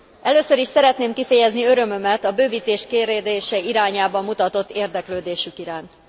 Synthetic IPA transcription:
ʔɛløːsøɾiʃsɛɾɛt̪neːmkifɛjɛzniø̞ɾø̞mø̞mɛt̪ɒbøːviːt̪eːʃkeːɾeːd̪eːʃɛiɾaːɲaːbɒmːut̪ɒt̪o̞t̪ːeːrd̪ɛkløːd̪eːʃykiɾaːnt̪

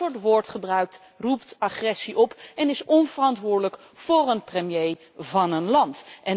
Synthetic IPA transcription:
ʊɹtʋʊːɹtχəbrœɥk̚t | ruptɑχrɛsiʔɔpɛnɪsɔnvərɑntʋʊːɹdələk | fʊːrənprəmjej | vɑnənlɑntʔɛn

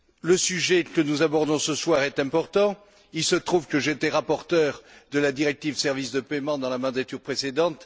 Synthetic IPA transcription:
ləsyʒɛkənuzabɔʁd̪ɔ̃səswaʁɛt̪ɛ̃pɔʁt̪ɑ̃ | ilsət̪χuvkəʒet̪ɛʁapɔʁt̪œʁd̪əlad̪iʁɛk̚t̪ivsɛʁvisd̪əpɛmɑ̃d̪ɑ̃lamɑ̃d̪at̪yʁpχesed̪ɑ̃t̪

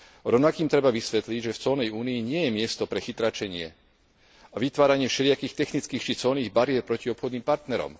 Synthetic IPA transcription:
ɾɔʊnakiːmt̪ɾɛbaʋisʋɛt̪liɟʒɛft͡sɔlnɛjuːniiɲɪɛjɛmɪɛst̪ɔpɾɛxit̪ɾat͡ʃɛɲɪɛ | aʋit̪ʋaːɾaɲɪɛʃɛɾɪakiːxt̪ɛxnit͡skiːxt͡ʃit͡sɔlniːɣbaɾɪɛɾpɾɔciɔpxɔd̪niːmpaɾt̪nɛɾɔ̰m

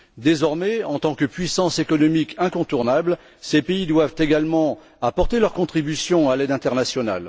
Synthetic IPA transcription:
d̪ezɔʁmɛɑ̃t̪ɑ̃kəpɥisɑ̃sekɔnɔmikɛ̃kɔ̃t̪uʁnabl | sepeid̪wavt̪eɡalmɑ̃ | apɔʁt̪elœʁkɔ̃t̪χibysjɔ̃alɛd̪ɛ̃t̪ɛʁnasjɔna̰l

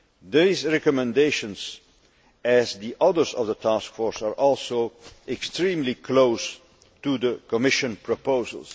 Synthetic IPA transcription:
ðizɹɛkɔmɛ̃ndeɪʃə̃nz | æzðiʔʌðə˞zʌ̰vðətʰaskfɔɹsaɹʔɔlˠsoʊʔɛkstɹĩmlikʰloʊs | tuðəkɔmɪʃɨ̃npʰɹɔpoʊzə̰l̩ˠs

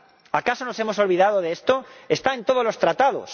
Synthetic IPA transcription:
akasonosemoso̞lβ̞iðað̞oðest̪oest̪aent̪oð̞ozlo̞st̪ɾat̪að̞o̰s

